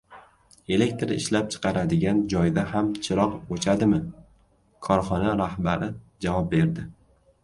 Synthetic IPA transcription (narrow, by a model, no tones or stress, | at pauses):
e̞le̞k̚ʲt̪ɾɪ̰ʃlap̚t͡ʃʰɨ̥qɑɾad̪ɪɡʲand͡ʒɒjd̪ahamt͡ʃʰɪɾɒqbot͡ʃʰad̪ɪmɪ | kʰɒɾχɒnaɾahbaɾɪ | d͡ʒavɒp̚be̞ɾd̪ɪ